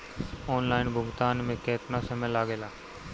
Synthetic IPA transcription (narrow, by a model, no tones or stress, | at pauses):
oːnlaːɪnbʱʊɡt̪aːnmẽkeːt̪nasəmẽːlaːɡeːlaː